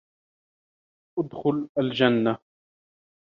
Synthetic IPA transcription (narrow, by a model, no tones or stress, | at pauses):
ʔʊd̪xʊlald͡ʒanːa